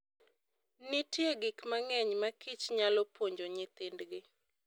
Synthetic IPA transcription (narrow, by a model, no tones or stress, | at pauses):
nɪtjeɡɪkmaŋɛɲmakit͡ʃɲalɔpwoɲd͡ʒoɲɪt̪ɪndɡɪ